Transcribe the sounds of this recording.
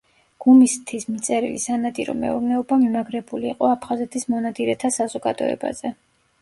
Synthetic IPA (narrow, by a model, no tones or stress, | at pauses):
ɡ̥umist̪ʰismit̪sʼɛɾḭlḭsanad̪ʼiɾɔ̰mɛ̰uɾnɛɔbamimaɡɾɛbuliːqʼɔapʰχazɛt̪ʰismɔnad̪iɾɛt̪ʰasazɔɡad̪ɔ̰ɛ̰ba̰z̥ɛ